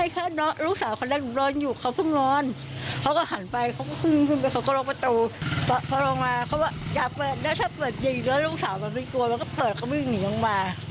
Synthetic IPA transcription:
a˥˩jkʰaː˦˥˩nɔ˦˥ɾuː˦˥˩k̚saː˩˦wkʰa˧˩ndɛ˧˩ŋ˨˩lɔː˦˥njuː˨˩kʰa˦˥˩wt̪ʰu˥˩ŋnɔː˦˥n | kʰa˧˦˥wkɔː˥˩ɦa˩˦npa˧jkʰa˧˥wkɔː˥˩kʰɯ˧˥˩ŋkʰɯ˧˩npa˧jka˧wkɔː˥˩lɔː˧˥ŋpa˧t̪uː˧pɔ˨˩pʰɔː˧˩lɔː˧ŋmaː˧pʰa˧˦˥waː˥˩jaː˨˩k̚pɤː˨˩t̪̚na˦˥t̪ʰaː˥˩pɤː˨˩t̪̚ji˨˩lɔː˦˥nɾuː˥˩k̚saː˩˦wma˧nmi˧ku˧ɐma˧nkɔː˥˩pɤː˨˩t̪̚kʰa˧˩wmi˧˥˩niː˩˦lɔ˧ŋmaː˧

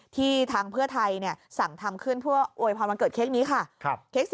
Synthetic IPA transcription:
t̪ʰiː˥˩t̪ʰaː˧ŋpʰɯ˥˩ɐt̪ʰa˧jni˥˩ɐsa˨˩ŋt̪ʰa˧mkʰɯ˥˩npʰɯ˥˩ɐʔoː˧jpʰɔ˧nma˧nkɤː˨˩t̪̚kʰe˦˥k̚niː˦˥kʰa˥˩˧kʰeː˦˥k̚s

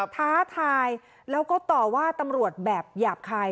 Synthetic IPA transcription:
p̪ʰaː˦˥t̪ʰaː˧j | lɛː˦˥wkɔː˥˩t̪ɔː˨˩waː˥˩t̪a˧mɾu˨˩ət̪̚bɛː˨˩p̚jaː˨˩p̚kʰaː˧

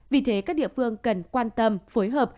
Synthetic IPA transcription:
vi˨˩t̪ʰe˨˦kaː˦˥k̚ɗḭ˧˨əfɨ˧əŋkə˨˩nkwaː˧nt̪ə˧mfoː˨˦jɦəː˨˩p̚

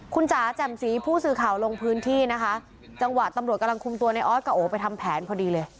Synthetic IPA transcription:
kʰu˧nsaː˩˦t͡ɕɛ˨˩msiː˩˦pʰuː˥˩sɯː˧kʰaː˨˩wlo˧ŋpʰɯː˦˥nt̪ʰiː˥˩na˦˥kʰa˦˥ʔ | t͡ɕa˧ŋwa˨˩t̪a˧mɾt̪̚ka˧la˧ŋkʰu˧mt̪u˧ɐna˧jʔɔː˦˥t̪̚kaː˧ʔoː˩˦pa˧jt̪ʰa˧mpʰɛː˩˦npʰɔː˧diː˧lɤː˧j

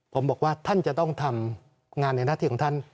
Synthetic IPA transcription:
pʰo˩˦mbɔː˨˩k̚waː˥˩t̪ʰa˥˩nt͡ɕa˨˩t̪ɔ˥˩ŋt̪ʰa˧m | ŋaː˧nːa˧na˥˩iː˧˩kʰːt̪ʰa˥˩n

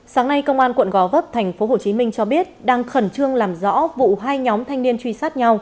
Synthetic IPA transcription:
saː˨˦ŋna˧jkə˧wŋ͡mʔaː˧nkwə̰˧˨nɣɔ˨˦və˦˥p̚t̪ʰa˨˩jŋ̟fo˨˦ɦo˧˨˩t͡ɕi˨˦mï˧ŋ̟t͡ɕɔ˧ɓi˦˥ət̚ɗaː˧ŋxə˧˩nt͡ɕɨ˧əŋlaː˨˩mzɔ̰˧˥vṵ˧˨ɦaː˧jɲɔ˨˦mt̪ʰa˧jŋ̟ni˧ənt͡ɕwi˧saː˦˥t̚ɲa˧w

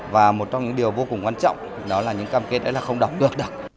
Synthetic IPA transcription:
vaː˨˩mo˨˩t̚t͡ɕɔ˧ŋ͡mɲɨ̰˧˥ŋɗi˨˩əwvo˧kʊ˨˩ŋ͡mkwaː˧nt͡ɕɔ̰˧˨wŋ͡m | ɗɔ˨˦laː˨˩ɲɨ̰˧˥ŋkaː˧mke˦˥t̚ɗə̰˨˦laː˨˩xə˧wŋ͡mɗa˨˩wk͡p̚kɨ˨˩ək̚ɗɨ˨˩ək̚

